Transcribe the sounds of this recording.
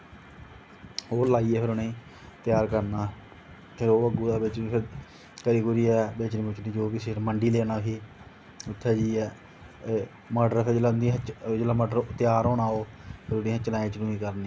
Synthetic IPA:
oːlaːiːɛːpʰɪɾʊneː | t̪jaːɾkəɾnaː | pʰɪɾoːəɡuːd̪aːbɪt͡ʃpʰɪɾ | kəɾiːɡʊɾiːɛːbeːt͡ʃniːpʊt͡ʃnĩːd͡ʒoːbiːseɾməɳɖiːleːnaːɦiː | ʊt̪ʰːɛːd͡ʒiːɛː | maːɖəɾpʰɪd͡ʒelaʊnd̪ĩt͡ʃd͡ʒelaːmɔːɖəɾt̪jaːɾoːnaːoːpʰɪɾʊniːɦãt͡ʃəlaːĩːt͡ʃnũːiːkəɾniː

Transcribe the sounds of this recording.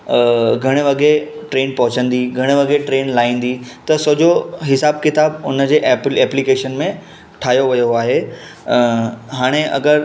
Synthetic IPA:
ɡʱɐɽ̃eʋɐɡe | ʈɾeːnpɐ̃ɦʊt͡ɕə̃nd̪iɡʱɐɽ̃eʋɐɡeʈɾeːnlaːĩːn̆d̪it̪ɐsod͡ʑoɦɪsaːb̚kɪt̪aːbʊnə̆d͡ʑeːʔpɛːplikeːʃənmẽ | ʈʰaːɦijoʋɐjoaːɦeː | ɦaːɽ̃eʔɐ̰ɡəɾ

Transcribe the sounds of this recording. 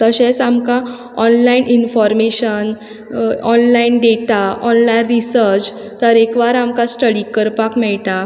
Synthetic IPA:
t̪əɕẽsamka | ɔnlainʔinfɔɾmeɕən | ɔnlainɖeʈaɔnlainɾisəɾt͡ɕ | t̪əɾekʋaɾamkasʈəɽikəɾpakmɛɭt̪a

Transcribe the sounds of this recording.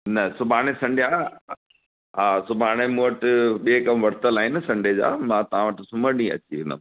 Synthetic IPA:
nɐsʊbʱaːɽ̃esɐ̃ɳɖjaː | ɦaːsʊbʱaːɽ̃emũəʈɪɓiekɐmʋɐɽt̪əlaːɦɪnɪ̆sɐ̃ɳɖʱed͡ʑa̰ːmãːt̪ɐʋ̤ãʋəʈɪsʊməɖĩɐ̰t͡ɕiɦɪ̃nə̰

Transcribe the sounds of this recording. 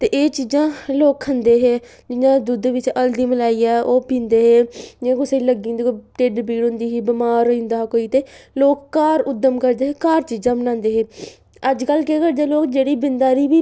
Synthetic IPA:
t̪eːʔeːt͡ʃiːzãːloːkʰənd̪eːɦeː | d͡ʒɪɲãːd̪ʊd̪ʋɪt͡ʃəld̪iːməlaːiːɛːʔoːpĩːnd̪eːɦeːd͡ʒɪãːkʊseːləɡĩːnd̪eoʈeɖbiːɽɦʊ̃nd̪iːɦiːbɪmaːɾoːĩnd̪aːkoːiːt̪eːloːkːaːɾʊd̪əmkəɾd̪eːɦeːkaːɾt͡ʃiːzãːmənãːnd̪eːɦeː | əd͡ʒkəlkeːkəɾd̪eːloːkd͡ʒeːɽiːbɪnd̪aːɾiːʋiː

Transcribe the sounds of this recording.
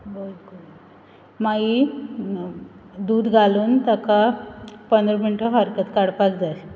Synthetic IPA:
bolko | mai | d̪uːd̪ɡʱaluːnt̪akapənd̪ɾɔmiɳʈəɦaɾkət̪kaɽpakd͡zas

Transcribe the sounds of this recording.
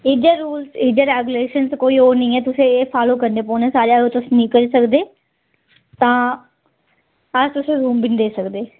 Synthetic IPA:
id͡ʒeːɾuːlsiːd͡ʒeːɾɛːɡjʊleːʃənskoːiːoːɾnəĩːɛːt̪ʊsẽːfʰaːloːkəɾneːpoːneːsaːɾejaɡot̪ʊsnĩːkəɾisəkd̪eː | t̪ãː | əd͡ʒt̪ʊsẽːɾuːmbɪnd̪eːsəkd̪eː

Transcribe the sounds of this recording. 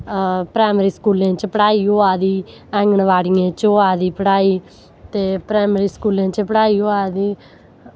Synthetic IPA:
pɾaːmɾiːskuːlãːt͡ʃpəɽaːiːoːaːd̪iː | ɛ̃ːŋɡəɳʋaːɽiːãːt͡ʃoːaːd̪iːpəɽaːiː | t̪eːpɾaːmɾiːskuːlẽːt͡ʃpəɽaːiːoːaːd̪iː

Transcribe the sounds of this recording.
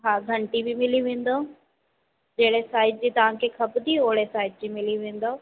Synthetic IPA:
ɦaːɡ̪ʱɐ̃ɳʈibɪmɪliʋẽːn̆d̪o | d͡ʑeːɽesaːɪʈ̚d͡ʑiːt̪ɐʋ̤ãkʰeːkʰɐbd̪ioːɽesaːɪʈ̚d͡ʑiːmɪliʋẽːn̆d̪o

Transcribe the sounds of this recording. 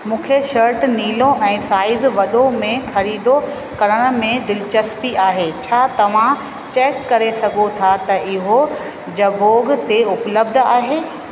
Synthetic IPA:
mũːkʰeʃɐɾʈniːlõʔɛ̃ːsaːɪzʋɐɗõmẽxɐɾiːd̪o | kɐɾəɽ̃ə̆mẽd̪ɪlt͡ɕɐspiaːɦeːt͡ɕʰaːt̪ɐʋ̤ã | t͡ɕeːkːɐɾesɐɡʱot̪ʰat̪ɐʔɪɦo | d͡ʑɐboːɡt̪eʊpləbd̪ʱaːɦeː

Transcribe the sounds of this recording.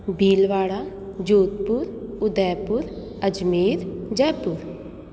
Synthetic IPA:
biːlʋaːɽaː | d͡ʒoːt̪̚pʊɾʊd̪ɛːpʊɾ | əd͡ʒmeːɾd͡ʒɛːpʊɾ

